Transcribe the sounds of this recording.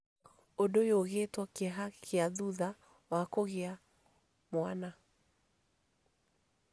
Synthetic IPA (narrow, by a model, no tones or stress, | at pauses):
ondojoɣetwɔkeɦakʰeaðuða | wakoɣea | mwana